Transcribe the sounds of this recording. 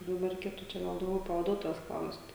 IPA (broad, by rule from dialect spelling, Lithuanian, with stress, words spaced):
dɐˈbɐr rʲɛɪˈkʲeːtʊ t͡ʃʲɛ ˈɡɐlˠ dɐʊˈɡʲɛʊ pɐʋɐˈduɔtoːjoːs ˈklˠɐʊst